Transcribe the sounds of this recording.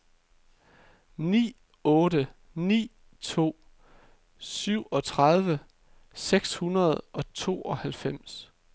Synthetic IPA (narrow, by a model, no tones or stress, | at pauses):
nḭː | ɔ̽ːɾə | nḭː | t͡sʰo̝̰ː | syʊ̰ɒ̽t͡sʰʁað̞ˠʋə | seɡ̥shunɐð̞ˠʔɒ̽t͡sʰo̝̰ːɒ̽hælfem̰s